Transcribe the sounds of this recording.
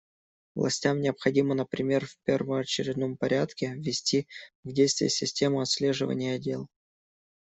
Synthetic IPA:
vlˠɐ̰sʲtʲamnʲɪəpxɐdʲimənəpɾʲɪmʲe̞rfʲpʲe̞rvəmɐt͡ɕɪɾʲɪd̪nompɐɾʲat̪kʲɪvʲɪsʲtʲivdʲejst̪vʲɪ̰jəsʲɪsʲtʲe̞mʊɐt̪sʲlʲe̞ʐɨvə̰nʲɪjəɐdʲe̞lˠ

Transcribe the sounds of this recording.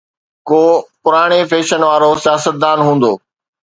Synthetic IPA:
koːpʊɾaːɽ̃efeːʃənʋaːɾosijaːsət̪̚d̪aːnɦũːn̆d̪oː

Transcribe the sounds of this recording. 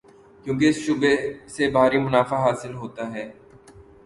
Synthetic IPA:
kjũːk̬eɪsʃʊbesebʱaːɾimʊnaːfaɦaːsɪlɦoːt̪aɦɛː

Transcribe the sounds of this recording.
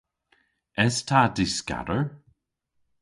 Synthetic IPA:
ɛstʰadɪska̰ɾəɹ

